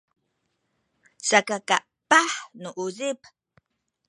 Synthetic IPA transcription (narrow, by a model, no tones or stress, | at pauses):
sakakaʔ | paħnuʔuzip